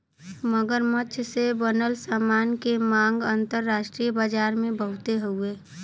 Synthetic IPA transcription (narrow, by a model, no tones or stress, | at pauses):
məɡəɾmət͡ʃʰsebənəlsamaːnkemãŋɡə̃nt̪əɾːaːʃʈɾiːjəbaːd͡ʒaːɾmẽbəɦʊt̪eɦoeː